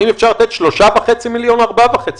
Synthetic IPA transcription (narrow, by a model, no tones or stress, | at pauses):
inefʃaʁlat̪et̪ʃloʃaveχet͡similjonaʁbavaχet͡si